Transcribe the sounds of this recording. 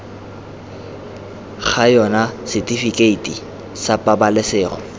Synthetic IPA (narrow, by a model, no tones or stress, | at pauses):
χajɔnasɪtʼifikʼeitʼi | sapʼabalɪsɪːrɔ̰